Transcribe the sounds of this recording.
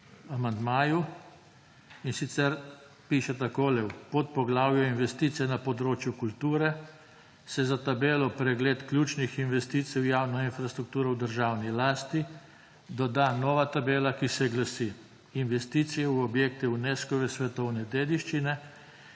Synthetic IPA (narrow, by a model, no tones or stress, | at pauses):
amand̪maːju | insit̪sɛɾ | piːʃɛt̪akoːlɛwpɔt̪̚pɔɡlaːwjɔinʋɛst̪iːt̪sijɛnapɔd̪ɾoːt͡ʃjukult̪uːɾɛ | sɛzat̪abeːlɔpɾɛɡleːt̪klʲjuːt͡ʃnixinʋɛst̪iːt̪siwjaːwnɔinfɾast̪ɾuk̚t̪uːɾɔwd̪əɾʒaːwnilaːst̪i | d̪ɔd̪anɔʋat̪abeːlakisɛɡlasi | inʋɛst̪iːt̪sijɛwɔbjeːkt̪ɛuneskɔʋɛsʋɛt̪ɔwnɛd̪eːd̪iʃt͡ʃinɛ